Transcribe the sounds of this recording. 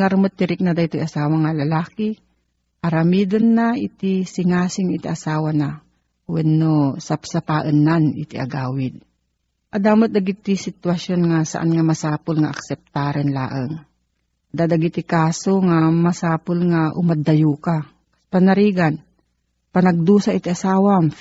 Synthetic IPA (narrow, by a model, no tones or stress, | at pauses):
ɐɾmot̪̚ːɪɾɪk̚nɐd̪aʔɪt̪ojʔɐsaːwɐŋɐlɐlaːkɪ | ʔɐɾɐmiːd̪onːaɪt̪ɪsɪŋaːsɪŋɪt̪iʔɐsaːwana | wɛnːosɐpsɐpaʔənːanɪt̪ɪʔɐ̰ɡaːwɪd̪̚ | ʔɐd̪aːmɐt̪̚d̪ɐɡit̪ɪsɪt̪wɐsjonŋasɐ̰ʔa̰nŋamɐsaːpʊlŋaʔɐ̰k̚sɛp̚t̪aːɾɛnla̰ːʔəŋ | d̪aːd̪ɐɡit̪ɪkaːsoŋamɐsaːpʊlŋaʔʊmad̪ɐjuːka | kspɐnɐɾiːɡan | pɐnɐɡ̚d̪uːsaʔɪt̪iʔasaːwa